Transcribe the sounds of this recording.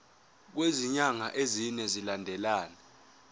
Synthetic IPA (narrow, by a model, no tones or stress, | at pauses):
k̬weziɲaŋaʔezinɛzilandʱɛlaːnɛ